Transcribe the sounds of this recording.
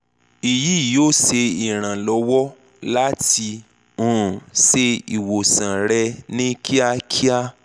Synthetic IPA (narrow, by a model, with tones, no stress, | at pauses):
i˨ji˨˦˨joː˦˨se˧i˨ɾ̃ã˨lɔ˧˦wɔ˦ | la˦ti˧ | ũ˦˨se˧i˨wo˨sã˨ɾɛ˧nĩ˦kʰi˦a˧kʰi˦a˦